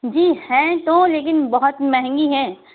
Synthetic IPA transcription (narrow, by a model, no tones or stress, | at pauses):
d͡ʒiːhɛ̃ːt̪oleːkɪnbɐɦʊt̪mɛɦɛ̃ŋɡiɦɛ̃ː